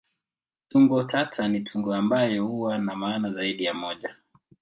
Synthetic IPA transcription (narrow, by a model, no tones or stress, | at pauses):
tuŋɡɔtatʰanitʰuŋɡɔambajɛhuwanamaːnazaiɗijamɔʄa